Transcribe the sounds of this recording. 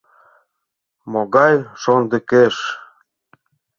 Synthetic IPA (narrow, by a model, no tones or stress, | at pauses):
moɣɑjʃond̪ə̆keʃ